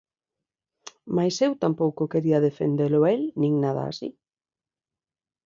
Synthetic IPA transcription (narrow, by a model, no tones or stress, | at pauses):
majsewt̪ampowkʊkeɾiɐðefḛnd̪elʊelnĩŋnaða̰ːsḭ